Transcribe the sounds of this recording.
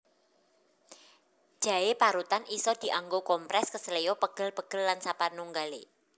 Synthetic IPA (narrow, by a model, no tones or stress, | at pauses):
ʒ̥a̤epaɾut̪anʔisɔd̪̥i̤ʔaŋɡokɔmpɾɛskəsəlejɔpəɡ̥ə̤lpəɡ̥ə̤lːansapanuŋɡale